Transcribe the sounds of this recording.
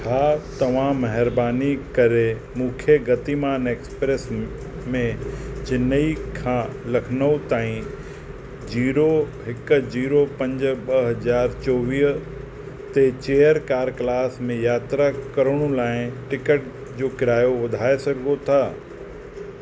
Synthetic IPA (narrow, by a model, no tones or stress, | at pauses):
t͡ʃʰaːt̪ɐʋ̤ãmɐɦɪɾbaːnikɐɾe | mũːkʰjəɡɐt̪imaːneːkspɾeːs | mẽd͡ʑɪnəikʰãːlɐkʰnəut̪aːĩ | d͡ʑiːɾo | ɦɪkd͡ʑiːɾopɐ̃ɲd͡ʑɓɐɦɐzaːɾt͡ɕɔːʋiːɦ | t̪et͡ɕeːjəɾkaːɾklaːsmẽjaːt̪ɾakɐɾəɽ̃ũlaːɪ̃ʈɪkəʈ̚ | d͡ʑoːkɪɾaːjoʋɐd̪ʱaːesɐɡɡot̪ʰaː